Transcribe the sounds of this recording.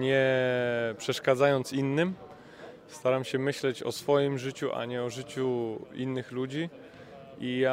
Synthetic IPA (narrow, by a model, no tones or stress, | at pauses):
ɲɛ | pʂɛʂkad̪zajɔnt̪sinːɘm | st̪aɾamɕɛmɘɕlɛt͡ɕɔ̰sfɔjimʐɘt͡ɕuʔa̰ɲɛɔʐɘt͡ɕuinːɘxlud͡ʑi | ija